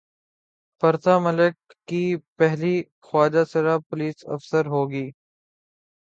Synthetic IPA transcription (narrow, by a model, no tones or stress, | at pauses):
pɐɾt̪aːmɐləkː | ipɛɦli | xwaːd͡ʒasɪɾaːpʊliːsɐ̰fsəɾɦoːɡiː